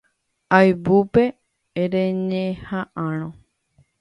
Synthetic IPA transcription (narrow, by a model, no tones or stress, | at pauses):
ajbupeː | ɾeɲẽhaʔãñõ